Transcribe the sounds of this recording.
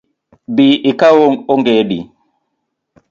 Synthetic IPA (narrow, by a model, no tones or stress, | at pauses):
biʔikawoŋoŋɡeɗḭ